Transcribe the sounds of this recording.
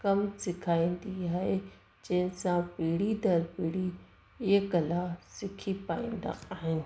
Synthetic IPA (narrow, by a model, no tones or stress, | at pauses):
kɐmsɪkʰaːĩːn̆d̪iaːɦe | d͡ʑɐ̃ɦɪnɪsãpiːɽid̪ɐɾpiːɽi | ɪɡɐlasɪkʰipaːḭ̃ːnd̪a̰aːɦɪnɪ̆